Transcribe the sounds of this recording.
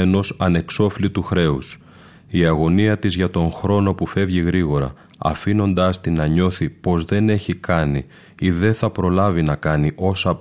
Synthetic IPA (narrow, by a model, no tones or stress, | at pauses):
eno̞sɐne̞kso̞flit̪uxɾe̞us | iɐɣo̞niɐt̪izʝɐt̪o̞ŋxɾo̞no̞pufe̞vʝiɣɾiɣo̞ɾɐ̰ | ɐ̰fino̞nd̪ɐst̪inɐɲo̞θipo̞zðe̞ne̞çikɐni | iðe̞θɐpɾo̞lɐvinɐkɐniʔo̞sɐ